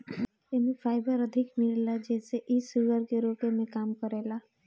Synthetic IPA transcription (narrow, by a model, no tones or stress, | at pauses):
emifʰaːɪbəɾəd̪ʱɪkmillad͡ʒɛːseʔisuɡəɾkeɾoːkemẽkaːmkəɾeːla